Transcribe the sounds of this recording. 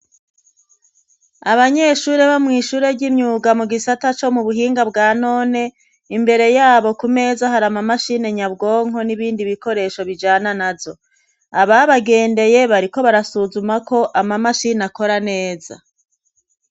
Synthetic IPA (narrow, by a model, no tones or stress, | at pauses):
aβaɲe̞ʃuːɾe̞βamŋiːʃuːɾe̞ɟimɲuːɡamuɡisatat͡ʃo̞muβuɦiːŋɡabɡaːno̞ːne̞ | imbe̞ɾe̞jaːβo̞kume̞ːzaɦaɾamamaʃine̞ɲabɡo̞ːŋ̥o̞niβiːndiβiko̞ɾe̞ːʃo̞βid͡ʒaːnanazo̞ | aβaβaɡe̞ːnde̞je̞βaɾiko̞βaɾasuzumako̞ʔamamaʃinako̞ɾane̞ːza